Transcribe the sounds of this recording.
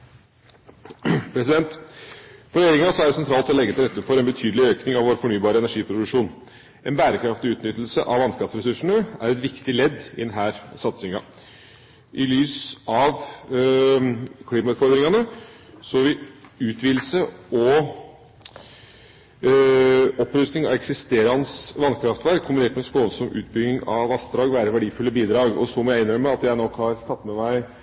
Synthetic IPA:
pʰɾɛsɪd̪ɛnt̪ | fɔɾɛjeːɾɪŋsɔæɖɛsɛnt̪ɾɑːlt̪ɔlɛɡːət̪ɪɛt̪ːəfɔɾɛnbət̪ʰyːd̪lɪøːknɪŋɑʋoːɾfɔɳyːbɑːɾəɛnæʂiːpʰɾʊd̪ʉʂuːn | ɛnbæːɾəkʰɾɑft̪ɪʉːt̪nʏt̪l̩səʔɑʋɑnskɑt̪sɾɛsʉʂəɳəæɾɛt̪ʋɪkt̪ɪlɛd̪ːɪ̰d̪ɛnɦæːɾsɑt̪sɪŋɑ̰ | ʔɪlyːsɑʋ | kʰliːmɑʉːt̪fɔɾd̪ɾɪŋɑnəsɔʋɪʉːt̪ʰʋiːl̩səɔ | ɔpːɾʉst̪nɪŋɑ̰ʋɛksɪst̪eːɾɑnsʋɑnkʰɾɑft̪ʋæɾkʰːʊmbɪneːʈmɛnskoːlsɔmʔʉ̰ːt̪̚bʏɡ̪ɪŋɑ̰ʋɑsd̪ɾɑːɡʋæːɾəʋæɖiːfʉlːəbiːd̪ɾɑːɡɔsɔmɔjæɪɪnːœɾəmɛɑt̪jæɪnɔkːhɑɾt̪ʰɑt̪ːmɛmæɪ

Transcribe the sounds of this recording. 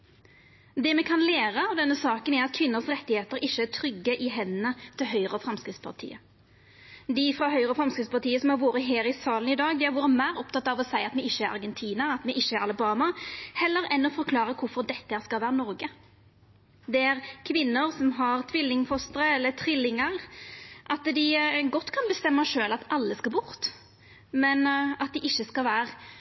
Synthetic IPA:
d̪ɛmɛkʰɑnleːɾəɑʋd̪ɛnːəsɑːkənæɾɑt̪̚kʰʋɪnːəʁsɾɛt̪ːɪheːt̪əɾɪʃːəæt̪ʰɾʏɡːəʔɪɦɛnːət̪ʰɪlɦœʏɾəɔfɾɑmskɾɪt̪spʰɑ̰ʁt̪ʰḭːə | d̪ɪfɾɑɦœʏɾəɔfɾɑmskɾɪt̪spɑt̪ʰiːəsɔmhɑɾʋoːɾəɦeːɾɪsɑːlən̩ɪd̪ɑːɡd̪ɛæɾʋoːɾəmæɪːɾɔpt̪ɑt̪ːɑʋɔsæɪɑt̪mɛɪçːəæɾɑ̰ɾɡɛnt̪ʰiːnɑɑt̪mɛʔɪʃːəæʁɑlɪbɑːmɑhɛlːəɾɛnːɔfɔɾkʰlɑːɾəkʰʊɾfɔɾd̪ɛt̪ːəhæːɾskɑlʋæːɾənɔɾɡə | d̪ɛæɾkʰʋɪnːʊɾsɔmɦɑʁt̪ʰʋɪlːɪŋfɔst̪əɾəɛlːət̪ʰɾɪlːɪŋəɾʔɑt̪d̪ɪɡɔt̪ːkʰɑnbəst̪ɛmːɑʂøːlɑt̪ɑlːəskɑlbʊɾt̪ | mɛnɑt̪̚d̪ɪʔɪçːəskɑlʋæːʁ

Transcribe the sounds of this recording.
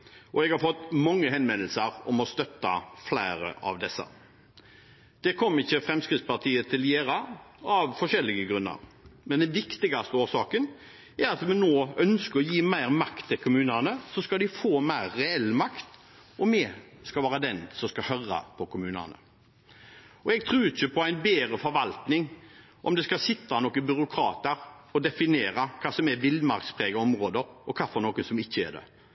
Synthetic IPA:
ʔɔɛɡhɑɾfɔt̪ːmɔŋːəɦɛnʋɛnːəl̩səɾɔmɔst̪œt̪ːɑflæɪɾə̰ʔɑ̰ʋd̪ɛsːə̰ | d̪̥ɛkʰɔmːəɪçːəfɾɛmskʁɪt̪spɑt̪ʰiːət̪ʰɪljeːɾɑɑʋfɔʂɛlːɪɡəɡɾʉnːə̰ɾmɛnd̪ɛnʋɪkt̪ɪɡɑst̪əoːʂɑːkən | æɾɑt̪mɛnnoːœnskəɾɔjiːmæɪɾmɑkt̪ʰːɪlkʰʊmʉːnənəsɔskɑd̪ɪfoːmæɪɾːɛɛlːmɑkt̪ | ɔmɛskɑʋæːɾəd̪ɛnsɔmskɑhœɾɑ̰pʰɔkʰʊmʉːnə̰nə̰ | ɔɛɡ̚t̪ʰɾʉːɪçəpʰɔæɪnbeːɾəfɔɾʋɑlt̪nɪŋ | ʔɔ̰md̪ɛskɑsɪt̪ːɑnɔkːənbʏɾʊkʰɾɑːt̪əɾ | ɔd̪ɛfɪneːɾɑkʰɑːsɔmɛʋɪld̪mɑ̰ɾkspʰɾɛːɡəɔmɾoːd̪əɾɔkʰɑːfɔɾnoːkənsɔmɪçːəɛ̰ɖ̪ɛ̰

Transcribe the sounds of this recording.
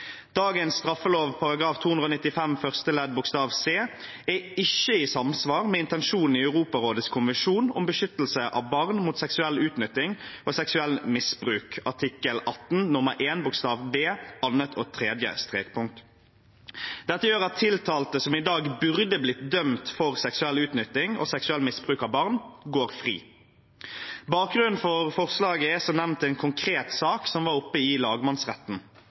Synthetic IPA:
d̪̥ɑːɡənst̪ʁɑfːəloːʋpʰɑʁɑɡʁɑːft̪ʰuːʉnʁoːnɪt̪ːɪfɛmfœʁst̪əlɛd̪bʊkst̪ɑːʋseː | ɛɪçːəisɑmsʋɑːʁmɛːɪnt̪ɛnʃuːnn̩iœʉʁuːpɑʁoːd̪ət̪skʰʊnʋənʃuːnɔmbəʃʏt̪əlsəʔɑ̰ʋbɑʁnmuːt̪sɛksʉɛlːʉːt̪nʏt̪ɪŋʔɔsɛksʉɛlmɪsbʁʉːkɑ̰ʈ̪ʰɪkːəlʔɑt̪n̩nʊməʁʔeːnbʊkst̪ɑːʋbeːɑnət̪ʰɔt̪ʰʁeːd̪jə̰st̪ʁeːk̚pʰʊŋk̚t̪ | d̪̥ɛt̪ːəjøːʁɑt̪ʰːɪlt̪ʰɑːlt̪əsɔmɪd̪ɑːɡbʉʁd̪əblɪt̪̚d̪œmt̪fɔʁsɛksʉɛlʉːt̪nʏt̪ɪŋɔ̰sɛksʉɛlːmɪsbʁʉːkɑʋbɑʁnɡoːɾfʁḭː | bɑːk̚ɡʁʉnn̩fɔʁfɔʁslɑːɡəɛsɔnɛʋnt̪ɛːnkʰʊŋkʰɾeːt̪sɑːksɔmʋɑːɾʊpːəɪlɑːɡəmɑnsʁɛ̰t̪n̩

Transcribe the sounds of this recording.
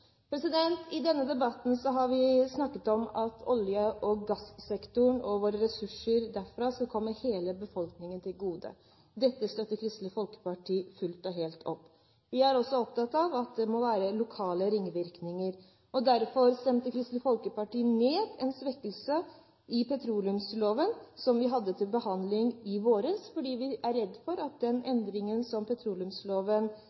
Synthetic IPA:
pʰɾɛsɪd̪ɛnt̪ʰɪd̪ɛnːəd̪ɛbɑt̪n̩sɔɦɑɾʋɪsnɑkːət̪ɔmɑt̪ʰɔljəʔɔɡɑssɛkt̪ʊɳɔʋoːɾəɾɛsʉʂəɾd̪æɾfɾɑːskɔkʰɔmːəheːləbəfɔlknɪŋənt̪ʰɪlɡuːd̪ə̰ | d̪ɛt̪ːəst̪œt̪ːəɾkʰɾɪst̪ləfɔlkə̥pɑʈʰiːfʉlt̪ɔɦeːlt̪ʰɔpː | ʋɪæɾɔsːɔɔp̚t̪ɑt̪ːɑʋɑt̪̚d̪ɛmɔʋæːɾəlʊkʰɑːləɾɪŋʋɪɾknɪŋəɾ | ɔd̪æɾfɔɾst̪ɛmt̪əkʰɾɪst̪ləfɔlkəpɑʈiːneːd̪ɛnsʋɛkːəlsə | ʔɪpʰɛt̪ʰɾuːlʉmsloːʋənsɔmʋɪɦɑd̪ːət̪ʰɪlbəhɑnd̪lɪŋɪʋoːɾəsfɔɖiːʋɪʔæɾːɛd̪ːfɔɾɑt̪̚d̪ɛnɛnd̪ɾɪŋənsɔmpʰɛt̪ʰɾuːlʉmsloːʋən

